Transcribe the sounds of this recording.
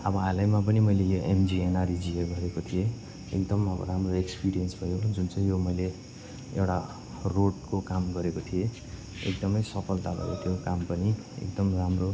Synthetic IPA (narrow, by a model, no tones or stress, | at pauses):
ʌbʌalajmap̬ʌnimʌjlejoʔemd͡zienarid͡zieɡʌɾekot̪ʰije | ḛkd̪ʌmʌbʌ̰ɾamroekspiɾijʌnsbʱʌjod͡zunt͡sʌj̃jomʌjle | ewʈa | roɽkokamɡʌɾekot̪ʰije | ḛk̚d̪ʌmʌjsʌpʰʌlt̪abʱʌ̰jo̰t̪ʰjokampʌni | ḛk̚d̪ʌmramro